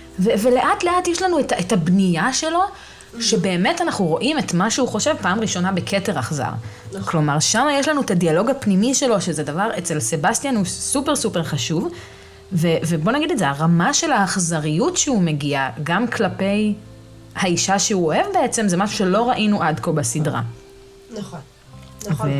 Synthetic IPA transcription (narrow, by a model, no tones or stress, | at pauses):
veve̞le̞ʔatle̞atjɛʃlanuetaetabnijaʃe̞lo̞ | ʃebe̞ːme̞tanaχnuʁo̞ʔimetmaʃeuχo̞ʃe̞vpaːmʁiʃo̞nabe̞kʰete̞ʁaχza̰ʁ | klo̞maʁʃamajeʃlanuetadialo̞ɡapnimiʃe̞lo̞ʃezedavaʁet͡se̞lse̞bast̪ijanhusupe̞ʁsupeʁχaʃuv | vevebonaɡidezeaʁamaʃe̞laːχzaʁijutʃeume̞ɡiaɡamkʰlape̞j | haiʃaʃeuoe̞vbe̞et͡se̞mzemaʃuʃe̞lo̞ʁaʔinuʔadko̞basidʁa̰ | ve